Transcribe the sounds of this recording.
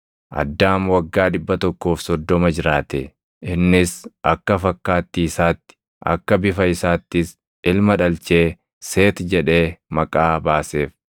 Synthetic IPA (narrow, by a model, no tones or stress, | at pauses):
ʔɐ̰d̪ːaːmwɐɡːaːᶑɪbːɐt̪ɔkːo̞ːfsɔd̪ːɔmɐd͡ʒɪɾaːt̪ɛ | ɪnːɪsʔɐkːɐfɐkːaːt̪ːiːsaːt̪ːɪ̥ | ʔɐ̰kːɐbɪfɐɪsaːt̪ːɪs | ɪlmɐᶑɐlt͡ʃeː | seːt̪d͡ʒɛᶑe̞ːmɐkʼaːbaːse̞ːf